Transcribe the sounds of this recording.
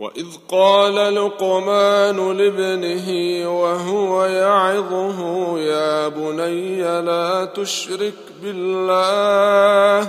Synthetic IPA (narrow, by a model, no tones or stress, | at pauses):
wa̰ʔɪðqɑːlalqomaːnʊlɪbnɪɦiwaɦʊwajɑʕɪðˤʊɦʊjaːbʊnajːalaːt̪ʊʃɾɪk | bɪlːaːh